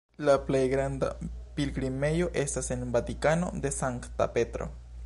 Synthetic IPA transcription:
laplejɡɾand̪a̰pilɡɾime̞jo̞ʔe̞stase̞nbat̪ikano̞̰d̪e̞saŋkt̪a̰pe̞t̪ɾo̞̰

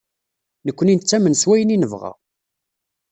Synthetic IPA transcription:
nəkʷːənint͡sːæmənswæjəninəvʁa̰

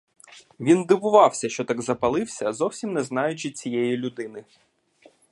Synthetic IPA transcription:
ʋʲind̪ɪʋʊʋɑwsʲɐʃt͡ʃɔt̪ɑɡzɐpɐlˠɪwsʲɐzɔwsʲimnɛznɑjʊt͡ʃɪt͡sʲijɛjilʲʊd̪ɪnɪ

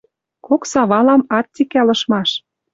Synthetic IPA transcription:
koksɑβɑlɑmɑt̪ːʲikælɤ̆ʃmɑʃ

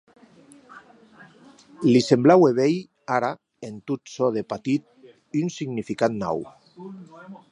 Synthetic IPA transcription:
lisemblaweβej | aɾa | ent̪ut̪soðepat̪it̪̚ | ynsiɣnifikat̪na̰w

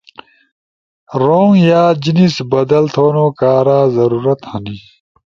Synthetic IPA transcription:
ɾoːŋjaːd͡ʑinisbɐd̪ɐlt̪ʰoːnoːkaːɾaːzɐɾuːɾɐt̪hɐni

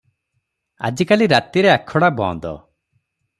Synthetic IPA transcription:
a̰d͡ʒikaliɾat̪iɾeakʰɔɽabɔ̰̃ːnd̪ɔ̰

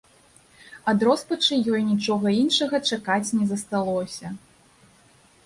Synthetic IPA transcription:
ad̪ɾɔspɐt͡ʂɨjɔjnʲit͡ʂɔɣɐinʂɐɣɐt͡ʂakat͡sʲnʲɛzɐst̪alˠɔsʲɐ

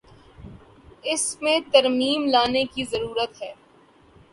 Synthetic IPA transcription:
ɪsmẽt̪ɐɾmiːmlaːnekizɐɾuːɾət̪ɦɛː

